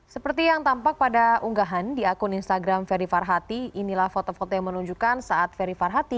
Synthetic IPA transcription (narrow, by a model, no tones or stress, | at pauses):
səpərt̪ijaŋt̪ampak̚padaʔuŋɡaɦandiakʊninst̪aɡɾamfɛɾifarɦat̪iinilahfot̪ofot̪ojaŋmənuɲd͡ʒukansaat̪̚fɛɾifarɦat̪i